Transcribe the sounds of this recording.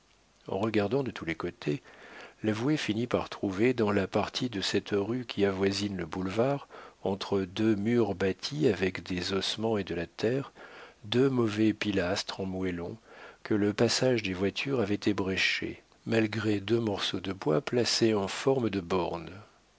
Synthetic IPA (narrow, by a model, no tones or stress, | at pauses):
ɑ̰̃ʁəɡaʁd̪ɑ̃d̪ət̪ʰulɛkot̪ʰelavwefinipaʁt̪χuved̪ɑ̃lapaʁt̪ʰid̪əsɛt̪ʁykʲʰiavwazinləbulvaʁɑ̃t̪χəd̪ømyʁbat̪ʰiavɛkd̪ezɔsmɑ̃ed̪əlat̪ɛːʁd̪ømɔvɛpilast̪χɑ̃mwɛlɔ̃kələpasaʒd̪evwat̪ʰyʁavɛt̪ebʁɛʃḛ | malɡʁed̪ømɔʁsod̪əbwaplaseɑ̃fɔʁməd̪əbɔʁn